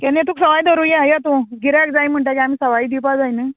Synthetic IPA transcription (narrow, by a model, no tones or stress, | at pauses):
kɛnet̪ʰuːksəʋajd̪ʱəɾujɛajat̪ũɡʱiɾakd͡zajm̤əɳʈakiamiːsəʋajd̪ipad͡zajnə